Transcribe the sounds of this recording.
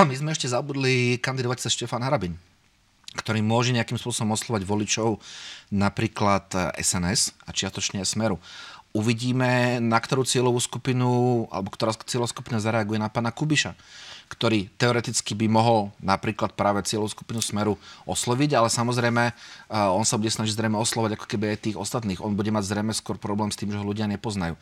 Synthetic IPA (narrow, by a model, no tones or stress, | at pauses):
ɔmizmɛɛʃcɛzabud̪likand̪id̪ɔʋac̚t͡sɛsʃcɛfanɦaɾabin | kt̪ɔɾiːmʊɔʒɛɲɛakiːmspʊɔsɔbɔmɔslˠɔʋaɟʋɔlit͡ʃɔʊnapɾiːklat̪ʔɛ̰sɛnɛsat͡ʃɪast̪ɔt͡ʃɲɛasmɛɾuuʋiɟiːmɛnakt̪ɔɾuːt͡sɪɛlɔʋuːskupinua̰lɛbɔkt̪ɔɾat͡sɪɛlɔʋsku̥pinazaɾɛaɡujɛnapaːnakubiʃakt̪ɔɾiːt̪ɛɔɾɛt̪it͡skibimɔɦɔlnapɾiːklat̪̚pɾaːʋɛt͡sɪɛlɔʋusku̥pinusmɛɾuɔslɔʋiɟalɛsamɔzɾɛjmɛɔnsabuɟɛsnaʒiɟzɾɛjmɛɔslɔʋaɟakɔ̥kɛbiajt̪iːɣɔst̪at̪niːɣɔnbuɟɛmaɟzɾɛjmɛskʊɔɾpɾɔblɛːmst̪iːmʒɛɦɔluɟɪaɲɛpɔznajṵː